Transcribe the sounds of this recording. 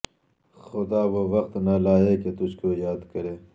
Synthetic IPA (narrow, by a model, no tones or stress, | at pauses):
xʊd̪aːwoʋɐqt̪nɐlaːeket̪ʊt͡ʃkoːjaːd̪kɐɾeː